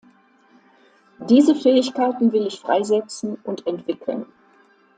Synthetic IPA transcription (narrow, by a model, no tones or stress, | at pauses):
d̥iːzəfɛːɪçkaɪtn̩vɪlɪçfʁ̥a̰ɪzɛt͡sn̩ʊntɛntv̥ɪkʰl̩n